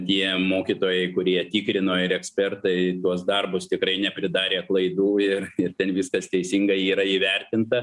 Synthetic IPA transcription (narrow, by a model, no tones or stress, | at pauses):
t̪ʲiɛmoːkʲit̪oːjɛɪkʊɾʲiɛt̪ʲiːkɾʲɪnoːɪɾɛksʲpʲɛrt̪ɐɪt̪uɔsd̪ɐrbʊst̪ʲɪkɾɐɪnʲɛpʲɾʲɪd̪ɑːɾʲeːɐt̪lˠɐɪd̪uːɪrɪrt̪ʲɛnʋʲɪskɐst̪ʲɛɪsʲiŋɡɐɪiːɾɐiːʋʲɛrʲt̪ʲɪnt̪ɐ